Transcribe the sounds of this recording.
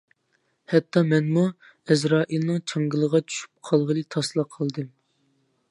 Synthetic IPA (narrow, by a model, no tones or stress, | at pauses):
hɛt̪ʰːɑmɛnmu | ɛzɾɑːʔilˠnɨŋt͡ʃʰɑŋɡɨlˠəʁɑt͡ʃʰy̥ʃy̥p̚qʰɑlˠʁəlˠɨt̪ʰɑslˠɑqʰəlˠd̪ɨm